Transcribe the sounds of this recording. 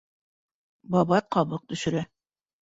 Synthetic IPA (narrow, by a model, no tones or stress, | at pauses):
bɑβɑqɑβɤq̚t̪ɵ̆ʃɵ̆ɾæ